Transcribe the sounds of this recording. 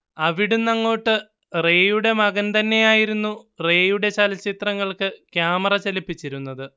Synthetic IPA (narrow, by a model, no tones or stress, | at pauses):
ɐʋiɽunɐŋːo̞ːʈːɨ | re̞ːjuɽe̞mɐɡɐnt̪ɐnːe̞jaːjiɾunːure̞ːjuɽe̞t͡ɕɐlɐt͡ɕit̪rɐŋːɐɭkɨkjaːmɐrɐt͡ɕɐlipːit͡ɕːiɾunːɐðɨ